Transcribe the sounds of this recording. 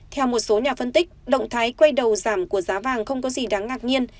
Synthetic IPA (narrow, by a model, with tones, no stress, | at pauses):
t̪ʰɛ˧wmo˨˩t̚so˨˦ɲaː˨˩fə˧nt̪ï˦˥k̟̚ɗə̰˧˨wŋ͡mt̪ʰaː˨˦jkwe˧jɗə˨˩wzaː˧˩mku˧˩əzaː˨˦vaː˨˩ŋxə˧wŋ͡mkɔ˨˦zi˨˩ɗa˨˦ŋːaː˨˩k̚ɲi˧ən